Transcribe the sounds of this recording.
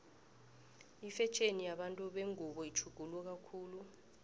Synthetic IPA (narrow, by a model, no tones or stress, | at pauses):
ifɛt͡ʃʼenijaɓantʼuɓeŋuɓɔit͡ʃʰuɡ̥ʱulwɛk̬akʰuːlu